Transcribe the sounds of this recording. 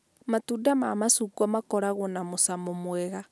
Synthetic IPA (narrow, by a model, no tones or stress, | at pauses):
matudamamasukwamakɔɾaɣonamosamomwɛɣa